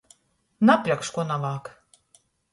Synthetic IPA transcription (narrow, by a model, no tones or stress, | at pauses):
naplʲakʃkuɔnavaːk